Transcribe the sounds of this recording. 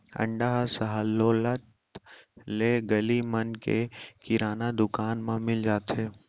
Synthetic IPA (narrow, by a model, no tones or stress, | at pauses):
ə̰̃ɳɖaɦsəɦəlːoːlət̪ | leɡəlimənkekɪɾaːnad̪ʊkaːnmãmɪld͡ʒaːt̪ɦeː